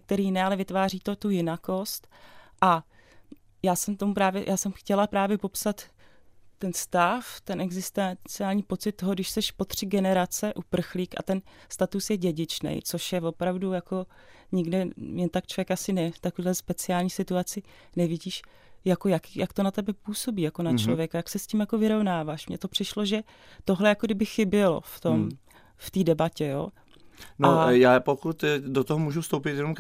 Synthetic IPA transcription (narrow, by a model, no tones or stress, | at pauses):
ɲɛk̚t̪ɛɾiːjɪnɛːalɛvɪt̪vaːriːt̪ot̪ujɪnako̞st̪ʔa | jaːsɛmt̪o̞mupɾaːvjɛ̰jʔaːsɛmxcɛlapɾaːvjɛpo̞psat̪ː | ɛnst̪aft̪ɛnʔɛɡzɪst̪ɛt͡sɪaːlɲiːpo̞t͡sɪt̪̚ːo̞ɦoɡdɪʃsɛʃpo̞t̪r̝̥ɪɡɛnɛɾat͡sɛʔupr̩xliːka̰t̪ɛnst̪at̪usjɛɟɛɟɪt͡ʃnɛ̰jt͡soʃjɛvo̞pɾavdujako̞ɲɪɡdɛmɛt̪akt͡ʃlovjɛkasɪnɛft̪akoviːɦlɛspɛt͡sɪaːlɲiːsɪt̪uat͡sɪ | nɛvɪɟiːʃ | jako̞jakjʔakt̪o̞nat̪ɛbɛpuːso̞biːjako̞nat͡ʃllovjɛkajaksɛscimjako̞vɪɾo̞vnaːvaːʃmɲɛt̪o̞pr̝̥ɪʃloʒɛ | t̪o̞ɦlɛjakodɪbɪxɪbɪlo̞̰ft̪om | ft̪iːdɛbacɛjo̰ː | najaːpokut̪dot̪oɦomuːʒufst̪owp̬ɪt̪jɛnom